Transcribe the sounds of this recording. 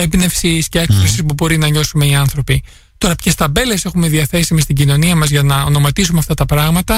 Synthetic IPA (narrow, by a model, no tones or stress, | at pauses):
ebne̞fsisceekɾesispubo̞ɾinɐɲo̞sume̞iɐnθɾo̞pi | t̪o̞ɾɐpcest̪ɐbe̞lese̞xumeðiɐθe̞simist̪iɟino̞niɐmɐzʝɐnɐo̞no̞mɐt̪isumeɐft̪ɐt̪ɐpɾɐɣmɐt̪ɐ